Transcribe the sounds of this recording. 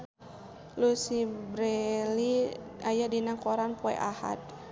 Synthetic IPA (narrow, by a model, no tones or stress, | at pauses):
lusibɾɛliajadinakɔɾanpɔɛ̰ʔaha̰t̪̚